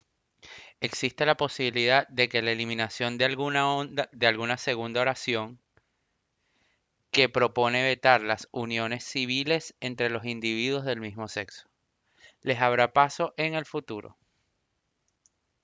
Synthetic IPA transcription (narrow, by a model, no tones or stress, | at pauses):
e̞ksist̪e̞lapo̞siβiliðad̪e̞ke̞laelimĩnasjo̞nd̪ | d̪ealɣunase̞ɣund̪ao̞ɾasjo̞ŋ | ke̞pɾo̞po̞ne̞βe̞t̪aɾlasunjo̞ne̞sːiβ̞ile̞se̞nt̪ɾe̞lo̞sind̪iβ̞iðwo̞zðe̞lmismo̞se̞kso̥ | le̞saβ̞ɾapaso̞ʔe̞ŋe̞lfut̪uɾo̰